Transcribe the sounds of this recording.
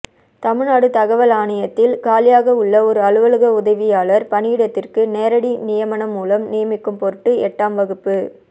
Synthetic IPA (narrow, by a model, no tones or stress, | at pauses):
t̪ɐmɪɻnaːɽɯt̪ɐɣɐʋɐlaːɳɐjɐt̪ːɪlkaːlɪjaːɣɐʊɭːɐɔɾɯɐɭɯʋɐɭɯɣɐʊðɐʋɪjaːlɐɾpɐɳɪjɪɽɐt̪ːɪrkɯneːɾɐɽinɪjɐmɐɳɐmːuːlɐmnɪjɐmɪkːɯmpɔɾɯʈːɯɛʈːaːmʋɐɣɯpːɯ